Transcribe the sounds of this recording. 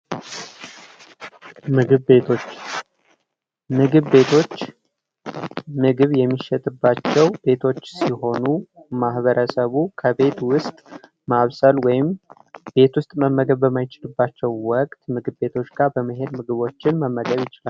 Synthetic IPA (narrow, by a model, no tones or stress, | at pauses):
mɨɡɨβbet̪ʰo̞t͡ʃː | mɨɡɨβbe̞t̪ʰo̞t͡ʃː | mɨɡɨβjɛmːiʃːɛt̪ʼɨbːat͡ʃːɛwb̥e̞t̪ʰo̞t͡ʃːsiɦo̞numahβəɾʔəsəβukʰəβe̞t̪wʊst̪ʼ | maβsəlwɔjɪm | b̥e̞t̪wʊst̪ʼməmːəɡəβːəmːajɪt͡ʃɪlɨbːat͡ʃːɛwwɔkʼt̪mɨɡɨβbe̞t̪ʰo̞t͡ʃːɡabəməɦe̞d̪mɨɡɨβo̞t͡ʃːɪnməmːəɡəβjɪt͡ʃɪlal